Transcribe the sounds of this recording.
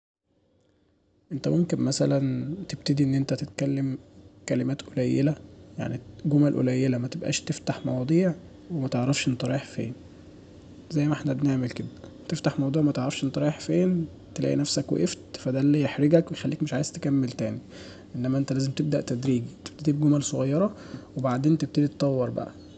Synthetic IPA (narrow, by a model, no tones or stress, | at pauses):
ʔent̪æmomkenmæsælænt̪eb̚t̪ed̪iʔenːʔent̪æt̪et̪kælːemkælemæːt̪ʔolæjːelæja̰ʕniɡomælʔo̰læjːelæmæt̪ebʔæ̰ːʃt̪eft̪aħmɑ̰wɑd̪ˤiːʕ | wemæt̪eʕɾˤɑfʃʔent̪æɾˤɑjeħfḛːn | zæjːmæʔeħnæbneʕmelked̪æ | t̪eft̪aħmɑwd̪ˤuːʕwemæt̪eʕɾæfʃʔent̪ɑɾɑeħfeːn | t̪elæ̰ːʔḭnæfsækwḛʔeft̪fæd̪æːlːijeħɾeɡækwejxælːiːkmeʃʕaːjez̥t̪e̥kæmːelt̪æːni | ʔenːæmæʔent̪ælæːzemt̪eb̚d̪æʔt̪æd̪ɾiːɡit̪eb̥̚t̪ed̪iːb̚ɡomælsˤoɣɑjːɑɾˤɑwebaʕd̪eːnt̪eb̚t̪ed̪it̪t̪ˤːɑwːɑɾˤbæ̰ʔæ